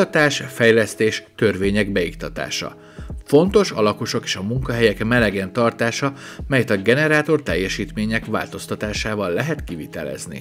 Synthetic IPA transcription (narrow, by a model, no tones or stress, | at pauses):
ɒt̪aːʃfɛjlɛst̪eːʃt̪ø̞rveːɲɛɡbɛikt̪ɒt̪a̰ːʃɒ̰ | fo̞nt̪o̞ʃɒ̰lɒko̞ʃo̞keːʃɒmuŋkɒɦɛjɛkmɛlɛɡɛnt̪ɒrt̪aːʃɒmɛjɛt̪ɒɡɛnɛɾaːt̪o̞rt̪ɛjːɛʃiːt̪meːɲɛkʋa̰ːlt̪o̞st̪ɒt̪aːʃaːvɒlːɛɦɛt̪kivit̪ɛ̰lɛ̰znḭ